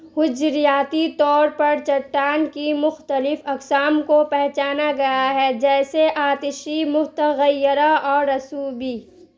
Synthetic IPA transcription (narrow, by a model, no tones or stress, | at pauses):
hʊd͡ʒɾijaːt̪it̪ɔːɾpɐɾt͡ʃɐʈːaːnkimʊxt̪əlɪfɐksaːmkopɛɦt͡ʃaːnaɡɐjaɦɛd͡ʒɛːseʔaːt̪ɪʃimʊt̪əɣəjɪɾaɔːɾɐsuːbi